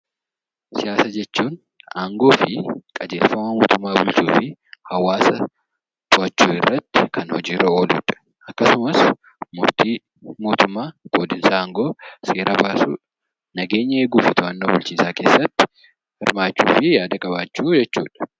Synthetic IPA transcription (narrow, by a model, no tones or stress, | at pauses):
sɪjaːsad͡ʒɛt͡ʃːuːn | ʔaːŋɡo̞ːfɪkʼɐd͡ʒeːlfɐmɐmoːt̪ʊmːaːbʊlt͡ʃuːfɪhɐwaːsɐ | t̪ʼʊɐt͡ʃːuːɪ̰rːɐt̪ːɪ̥kʰɐnhɔd͡ʒiːrːɐo̞ːlṵːᶑɐ̥ | ʔɐkːɐsʊmɐs | mʊɾt̪iː | mo̞ːt̪ʊmːaːɡ̥oːd̪ɪnsaːŋɡo̞ːseːɾʔɐbaːsṵːᶑɐ | nɐɡe̞ːɲːɐeːɡuːfɪt̪ʊɐnːoːbʊlt͡ʃiːsaːke̞ːsːɐt̪ːɪ̥ | hɪ̰ɾmaːt͡ʃːṵːfɪjaːd̪ɐkʼɐbaːt͡ʃːuːd͡ʒɛt͡ʃːṵːᶑɐ̥